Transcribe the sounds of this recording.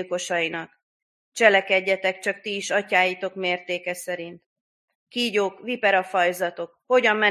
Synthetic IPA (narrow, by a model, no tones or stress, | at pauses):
ko̞ʃɒjinɒk | t͡ʃɛlɛkɛɟːɛt̪ɛkt͡ʃɒkt̪iːʃɒcaːjit̪o̞kmeːrt̪eːkɛsɛɾint̪ | kiːɟoːkvipɛɾɒfɒjzɒt̪o̞kho̞ɟɒmːɛ